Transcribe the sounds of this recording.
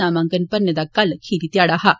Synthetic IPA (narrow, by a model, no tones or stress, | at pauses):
amaŋɡənpənːjəd̪akːalkʰiɾit̪jaɽaɦa